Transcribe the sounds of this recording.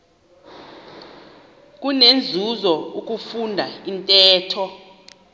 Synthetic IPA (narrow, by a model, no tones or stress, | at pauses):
k̬unend͡zʱuzɔuk̬ʼufundʱaintʼɛːtʰɔ